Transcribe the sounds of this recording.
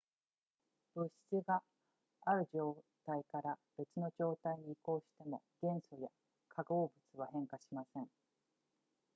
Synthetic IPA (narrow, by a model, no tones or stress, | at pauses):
b̥ɯ̟ɕi̥t͡siɡaː | ɾɯ̟ʑo̞ːt̪aikaɾab̥e̞t͡sɨno̞ʑo̞ːt̪aiɲ̟iːko̞ːɕi̥t̪e̞mo̞̰ɡ̥ẽ̞ɰ̃so̞ja | kʰaɡo̞ːbɯ̟t͡sɨβ̞aɦẽ̞ŋkaɕimasẽ̞ŋ